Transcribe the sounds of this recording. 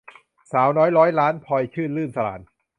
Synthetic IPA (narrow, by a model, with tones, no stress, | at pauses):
saː˩˦wnɔː˦˥jɾɔː˦˥jlaː˦˥npʰɔ˧jkʰɯː˥˩nlɯː˥˩nsa˧la̰ː˩˦n